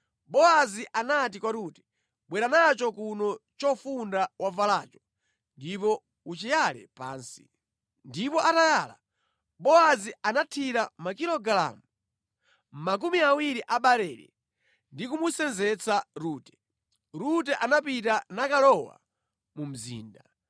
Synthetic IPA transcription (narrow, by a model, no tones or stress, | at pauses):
ɓɔaziʔanat̬ikwaɾuːtɛ̥ | ɓwɛɾanat͡ʃɔkunɔt͡ʃɔfundawʔavalaːt͡ʃɔ̥ | ndipɔ | ut͡ʃijalɛ̰pa̰ːnsi̥̰ | ndipɔʔatajaːla̰ | ɓɔazianatʰiɾamakiɾɔɡala̰mu | m̩mak̬umiawiɾiʔaɓaɾɛːɾɛ̰ | ndikumusɛnzɛt͡sʰaɾuːtɛ̥ | ɾutɛʔanapitanakalɔwa̰ | mum̩zḭːnda